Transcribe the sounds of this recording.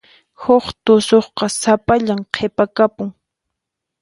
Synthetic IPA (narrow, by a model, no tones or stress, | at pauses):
hoχt̪ʊsoχqɑsapaʎamqʰepakapʊŋ